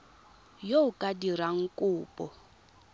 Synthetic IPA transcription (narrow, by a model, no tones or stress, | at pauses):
joʊkʼadiɾaŋ̩kʼʊːpʼɔ